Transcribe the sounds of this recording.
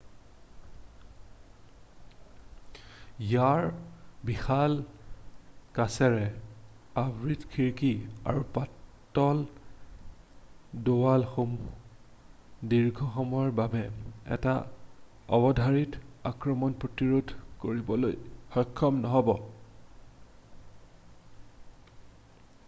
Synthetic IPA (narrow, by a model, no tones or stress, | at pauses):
jaɹbixal | kasɛɹɛ | abɹitkʰiɹkia̰ɹupatː | ɔl | dowalxum | diɹɡʱɔxɔmɔɹbabɛɛ̰ta | ɔ̰bɔdʱaɹitakɹɔmɔnpɹotiɹodʱkoɹibɔlojxɔjkʰːɔmnɔɦɔbɔ